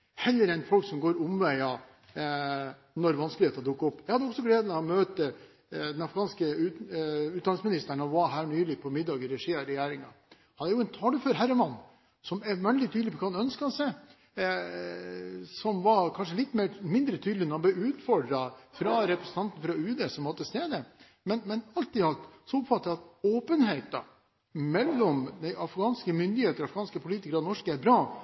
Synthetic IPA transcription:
hɛlːəɾɛɪnfɔlksɔmɡoːɾʊmʋæɪɑ | nɔɾʋɑnsklɪheːt̪ɑd̪ʊkːɔpːjɛɪhɑd̪əɔksɔɡleːd̪mɛɔmøːt̪ə | d̪ɛnɑfɾɪɡɑːnskəʉʉːt̪d̪ɑnɪŋsmɪnɪst̪əɳɔʋɑɦæːɳyːlɪpʰɔmɪd̪ːɑːɡɪɾɛʂiːɑɾɛjæːɾɪŋɑ̰ | hɑnæɾjʊɛnt̪ʰɑːd̪əføːɾɦæɾəmɑnː | sɔmɛmænlɪt̪ʰyːd̪lɪpʰɔkʰɑnœnskəɑnsɛɪ | sɔmʋɑkʰɑnʂəlɪt̪ːmeːmɪnd̪ɾət̪ʰyːd̪lɪnɔɾhɑblɛʉːt̪fɔɖɾɑfɾɑɾɛpɾɛsən̩t̪ɑnt̪n̩fɾɑʉːd̪əsɔmʋɑt̪ʰɪlst̪eːd̪ə | mɛnmɛnɑlt̪iːɑt̪sɔɔpfɑt̪ːəɑt̪oːpənɦeɪt̪ɑ̰ | mɛlːɔmd̪ɛɪʔɑfɡɑːnskəmʏnd̪ɪheːt̪əɾɑfɾɡ̥ɑːnskəpʰʊliːt̪ɪkəɾɑnɔʂkəæɾbɾɑː

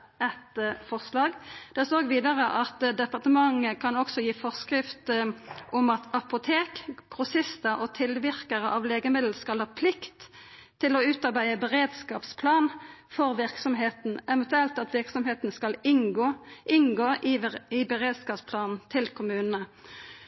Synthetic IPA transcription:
ɛt̪fɔʁslɑːɡd̪̥ɛsoːɡʋiːd̪əʁəʔɑt̪d̪ɛpɑʁt̪əmɑŋːəkʰɑnɔksɔjiːfɔʁskʁɪft̪ʔɔmɑt̪ɑpʊt̪ʰeːkɡ̥ʁʊsɪst̪əʔɔt̪ʰɪlʋɪʁkəʁəʔɑʋleːɡəmɪd̪l̩skɑlhɑːpʰlɪkt̪ʰːɪlɔʉːt̪ɑʁbæɪəbəʁeːd̪skɑːpspʰlɑːnfɔʁʋɪʁksɔmɦeːt̪nɛʋɛnt̪ʉɛlt̪ɑt̪ʋɪʁksɔmheːt̪n̩skɑlɪnɡoːʔɪŋɡoːɪbɛʁeːd̪skɑːpspʰlɑːnn̩t̪ʰɪlkʰʊmʉːnənə

